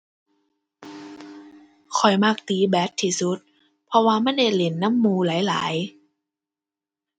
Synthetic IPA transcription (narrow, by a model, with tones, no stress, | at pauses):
kʰɔ˨˩jmaː˧˩k̚t̪iː˨˧˦bɛː˨˥t̪ʰːiː˧˩su˦˥t̪̚ | pʰɔ˧waː˧ma˧˥˨nda˧˥˩jle˨˩nːa˧˥˨mːuː˧laː˨˦jla̰ː˩˦j